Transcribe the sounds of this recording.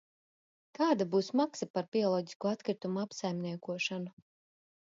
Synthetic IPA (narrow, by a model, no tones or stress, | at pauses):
kaːd̪abuːsmaksɐpaɾbiɔlˠɔɟi̥skuat̪kɾit̪umuapsajmnʲiɛkuɔʃanu